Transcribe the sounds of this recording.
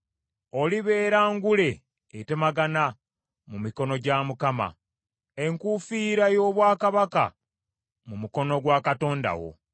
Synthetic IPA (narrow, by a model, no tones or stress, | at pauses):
o̞liβe̞ːɾaːŋɡule̞ː | te̞maɡana | mumiko̞no̞ɟamukama̰ | e̞ŋkufiːɾajo̞ːβwaːkaβaka̰ | mumuko̞no̞ɡwaːkato̞ːnda̰wo̞̰